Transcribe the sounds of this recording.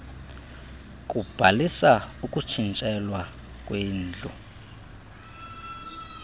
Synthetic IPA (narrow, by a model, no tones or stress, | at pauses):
k̬ʼub̥ʱalisaukʼut͡ʃʰint͡ʃʼɛlwa | kʼweːnd͡ɮʱṵ